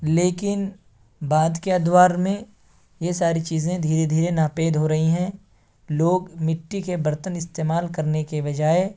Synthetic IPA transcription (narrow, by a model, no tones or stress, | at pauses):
leːkɪn | baːd̪keɐd̪waːɾmẽ | jesaːɾit͡ʃiːzẽd̪ʱiːɾed̪ʱiːɾenaːpeːd̪ɦoɾɐɦiɦɛ̃ | loːɡmɪʈːikebɐɾt̪ənɪst̪eːmaːlkɐɾnekeʋɐd͡ʒaːe